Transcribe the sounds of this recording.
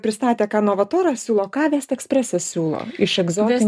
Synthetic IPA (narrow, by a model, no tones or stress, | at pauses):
pʲɾʲɪst̪ɑːt̪ʲeːkɑːnoːʋɐt̪oːɾɐsʲuːlˠoːkɑːʋʲɛːst̪ɛksʲpʲɾʲɛsʲɛssʲuːlˠo̰ːɪʃɛɡzoːt̪ʲ